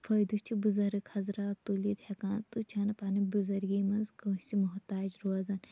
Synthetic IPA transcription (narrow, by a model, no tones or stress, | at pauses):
fʰɐjd̪ust͡ʃʰibuzɐɾɨkhɐzɾaːt̪ulit̪hɐkaːnt̪ut͡ʃʰɐnɐpanibuzɐɾɡiːmɐnzkɐst͡simuɦt̪aːd͡ʒɾoɐzɐn